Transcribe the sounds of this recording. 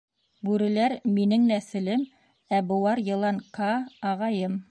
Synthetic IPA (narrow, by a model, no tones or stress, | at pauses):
bʉɾɘ̆læɾminɘŋnæθɘ̆lɘm | æbŏwɑɾjɤ̆lˠɑŋkɑːʁɑjɤm